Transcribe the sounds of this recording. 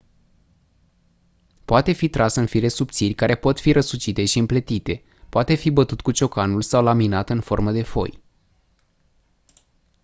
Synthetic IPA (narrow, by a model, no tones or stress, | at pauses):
poat̪e̞fit̪ɾasɨnfilesup̚t̪sirʲkaɾe̞po̞t̪fiɾʔəsut͡ʃit̪e̞ʃiɨmplet̪it̪e̞ | poat̪e̞fibət̪ut̪̚kut͡ʃo̞kanulsawlaminat̪ɨnfo̞rməd̪e̞fo̞̰j